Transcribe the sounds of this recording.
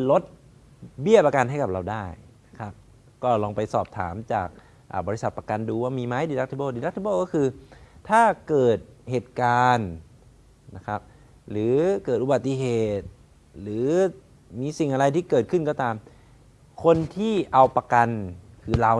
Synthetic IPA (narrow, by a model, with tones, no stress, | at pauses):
lo˦˥t̪̚ | bi˥˩əpa˧ka˧nɦa˥˩jka˨˩p̚ɾa˧wdaː˥˩jna˦˥kʰa˦˥p̚ | kɔː˥˩lɔː˧ŋpa˧jsɔː˨˩p̚t̪ʰa̰ː˩˦mt͡ɕaː˨˩k̚ | ʔaː˨˩bɔː˧ɾi˦˥sa˨˩t̪̚pɾa˧ka˧nduː˧waː˥˩miː˧ma˦˥jdiː˧la˦˥kt̪ʰbɤː˥˩diː˧la˥k̚t̪ʰi˧˥bɤː˥˩kɔː˥˩kʰɯː˧t̪ʰaː˥˩kɤː˨˩t̪̚heː˨˩t̪̚kaː˧n | na˦˥kʰa˦˥p̚ | lɯː˩˦kɤː˨˩t̪̚ʔu˧ba˨˩t̪ːi˧˩ɦeː˨˩t̪̚ | lɯː˩˦ | miː˧si˨˩ŋʔa˧ɾa˧jt̪ʰiː˥˩kɤː˨˩t̪̚kʰɯ˥˩nkɔː˥˩t̪aː˧m | kʰo˧nt̪ʰiː˥˩ʔa˧wpa˧ka˧nkʰɯː˧la˧